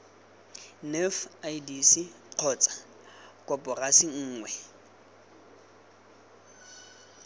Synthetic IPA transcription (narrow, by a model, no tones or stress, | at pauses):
nɛfajdisi | q͡χʰɔːt͡sʼḁ | kʼɔpʼɔrasiŋ̩ːŋwɛ